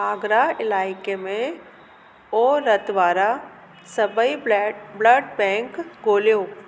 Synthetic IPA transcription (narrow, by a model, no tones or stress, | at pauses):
aːɡɾaɪlaːɪkemẽ | oːɾɐt̪ʋaːɾa | sɐbəibləɖbɛ̃ːŋkɡoːljoː